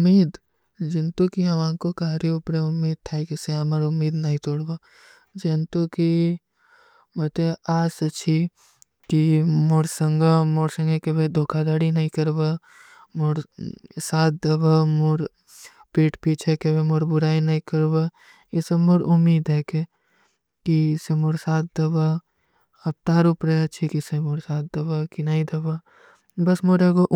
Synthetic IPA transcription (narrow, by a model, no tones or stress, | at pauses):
ʊmːiːd̪ | d͡ʒɪnt̪ukiɐʋãːkokaːɾiʊpɾeʊmːiːd̪̚t̪ʰaekeseaməɾʊmːiːd̪nɐɦĩt̪oːɽba | d͡ʒɪnt̪uki | mɐt̪eaːsɐt͡ʃʰi | kimoɾsə̃ŋɡamoɾsə̃ŋɡekebed̪ʱoːkʰad̪aːɽinɐɦĩkɐɾba | moɾsaːt̪̚d̪ɐbamoɾ | piːʈpiːt͡ʃʰekebemoɾbʊɾaːinɐĩkɐɾba | ɪsemoɾʊmːiːd̪ɦeke | kisemoɾsaːt̪̚ʰd̪ɐba | ɐp̚t̪aːɾupɾeɐt͡ʃʰikisemoɾsaːt̪̚d̪ɐbakinaĩd̪ɐba | bɐsmoɾeɡoʔ